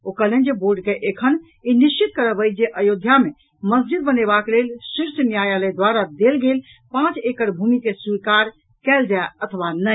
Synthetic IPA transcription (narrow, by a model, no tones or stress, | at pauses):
okəlend͡ʒeboɾɖkeʔekʰən | inist͡ʃit̪̚kəɾəbəjd͡ʒeʔəjod̪ʱjame | məs̬d͡ʒid̪̚bənebaklelsiɾsənjajaləd̪waɾad̪elɡel | pãt͡ʃekəɾbʱumikeswikaɾ | kɛld͡ʒaeət̪ʰʋanə